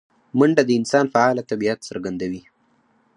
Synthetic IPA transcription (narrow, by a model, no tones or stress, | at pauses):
məɳɖad̪əɪnsɑnfaɑlat̪abiat̪səɾɡand̪awi